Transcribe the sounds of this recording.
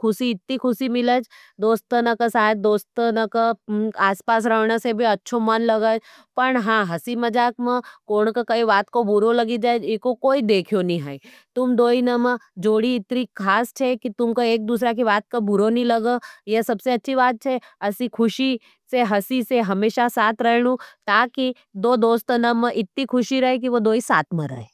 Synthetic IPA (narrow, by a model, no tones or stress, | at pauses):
kʰʊsiɪt̪nikʰʊsimɪləd͡ʒ | d̪oːst̪ənəkəsaːd̪̚d̪oːst̪nəkəaːspaːs̬ɾɐɦnasebʱiɐtːʃʰomɐnlɐɡəd͡ʒ | pɐɳɦãːɦɐsimɐd͡ʒaːkmə̃koːɳkakɐiʋaːt̪kobʊɾolɐɡid͡ʒaːed͡ʒɪkokoːid̪eːkʰijonĩɦai | t̪ʊmd̪oːinəmə̃d͡ʒoːɽiɪt̪nikʰaːst͡ʃʰekit̪ʊmkoeːk̚d̪uːs̬ɾak̬ibaːt̪̚kobʊɾonĩlɐɡəjesɐbseɐtːʃʰibaːt̪̚t͡ʃʰe | ɐsikʰʊʃi | seɦɐsiseɦɐmeːʃasaːt̪ʰɾɛɦñũt̪aːki | d̪oːd̪oːst̪nəmə̃ʔɪt̪nikʰʊʃiɾɐɦek̬iʋod̪oːisa̰ːt̪ʰmẽɾɐ̰ɦeː